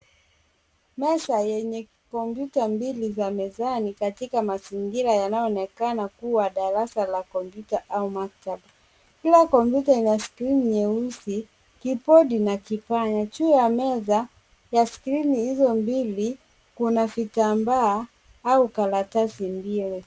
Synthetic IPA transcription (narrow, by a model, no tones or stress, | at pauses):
mɛsajɛɲɛ | kɔmpjutambilizamɛzanikatikamaziŋɡiɾajanajɔɔnɛkanakuwaɗaɾasalakɔmpjutaʔaumak̚tab | kilakɔmpjutainaskɾinɲɛusi | kipɔɗinakipaɲat͡ʃuɔjamɛza | jaskɾinihizɔmbili | kunafitambaː | aukalatasimbili